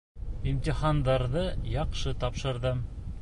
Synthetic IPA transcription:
imt̪ʲiχand̪ɑɾðɤjɑqʃɤt̪ɑpʃɤ̆ɾðɤm

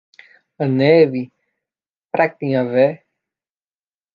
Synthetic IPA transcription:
ɐnɛvi | pɾak̚t̪ĩɲavɛ

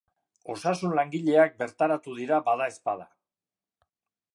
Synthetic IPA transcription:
o̞̰sasunlaŋɡiʎe̞ak̚be̞ɾt̪aɾat̪uðiɾabaðae̞spað̞a

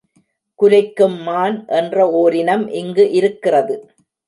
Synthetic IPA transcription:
kʊlɐɪkːɯmːaːnʔɛndrɐoːɾɪnɐmʔɪŋɡɯʔɪɾɯkːɪrɐðɯ

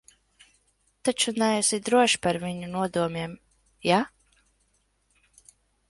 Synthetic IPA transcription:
t̪at͡ʃunɛɛsid̪ɾuɔʃpaɾviɲunuɔd̪uɔmiɛm | ja

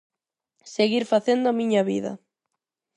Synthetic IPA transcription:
seɣiɾfaθend̪ʊamĩɲaβḭðɐ̰

